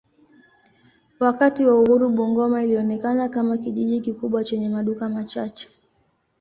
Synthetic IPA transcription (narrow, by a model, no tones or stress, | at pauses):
wakatiwauhuɾuɓuŋɡɔmailiɔnɛkanakamakiʄiʄikikuɓwat͡ʃɛɲɛmaɗukamat͡ʃat͡ʃɛ̥